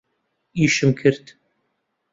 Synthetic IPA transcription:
iːʃɨmkʰɨɾt̪

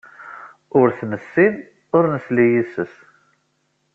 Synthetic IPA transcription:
ʊɾθməsːin | ʊɾnəslijisəs

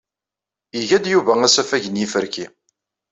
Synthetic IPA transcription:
iʝæd̪juvææsæfæʝənjifəɾki

